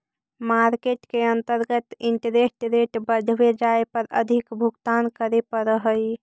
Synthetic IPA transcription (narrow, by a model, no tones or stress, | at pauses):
maɾkeʈkeənt̪əɾɡət̪iɳʈəɾesʈɾeʈbəd̪ʱʋed͡ʒaepəɾə̰d̪ʱikbʱuɡt̪ankəɾepəɾəɦəj